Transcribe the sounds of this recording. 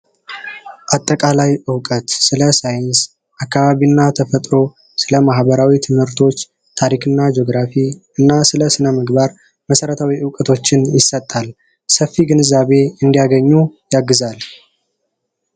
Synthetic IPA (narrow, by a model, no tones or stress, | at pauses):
ʔat̪ʼːəkʼalajʔɨwkʼət̪sɨləsajɪns | ʔakːaβaβinːat̪ʰəfət̪ʼɾo̞ | sɨləmahbəɾawit̪ʰɨmhɨɾt̪ʰo̞t͡ʃː | t̪ʰaɾikʰɨnːad͡ʒo̞ɡɾafiɨnːasɨləsɨnəmɨɡbaɾ | məsəɾət̪ʰawiʔɨwkʼət̪ʰo̞t͡ʃːɪnjɪsət̪ʼːal | səfːiɡɨnɨzaβe̞ɨnd̪ijaɡəɲːujaɡːɨzal